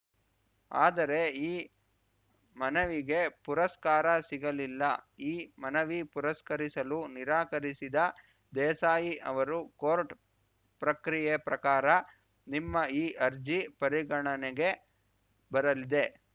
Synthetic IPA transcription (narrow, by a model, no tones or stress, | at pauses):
a̰ːd̪ɐɾe̞iː | mɐnɐʋiɡe̞puɾɐskaːɾɐsiɡɐlilːɐiːmɐnɐʋipuɾɐskɐɾisɐluniɾaːkɐɾisid̪ɐ | d̪ɛːsaːjiʔɐʋɐɾukoːɾʈ | pɾɐkɾijepɾɐkaːɾɐ | nimːɐiːʔɐɾd͡ʒipɐɾiɡɐɳɐneɡe̞ | bɐɾɐlid̪e̞